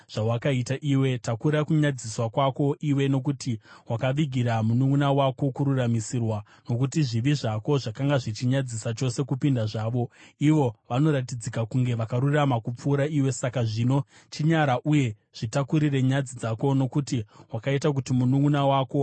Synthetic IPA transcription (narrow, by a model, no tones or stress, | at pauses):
ʐ̥awakaitaʔiwe̞takuɾakuɲad͡ziswakwako̞ʔiwe̞no̞kutiwakaʋiɡʱiɾamunuŋɡunawako̞kuɾuramisirwa | no̞k̬utiʐiʋiʐako̞ʐakaŋɡaʐit͡ʃiɲad͡zisat͡ʃo̞se̞kupindaʐaːʋo̞iʋo̞ʋano̞ɾatid͡zikakuŋɡe̞ʋakaɾuramakup͡fuːɾaiwe̞sakaʐino̞ | t͡ʃiɲaɾaʔuje̞ | ʐ̥itakuɾire̞ɲad͡zid͡zako̞no̞kutiwakaitak̬utimunuŋɡunawaːko̞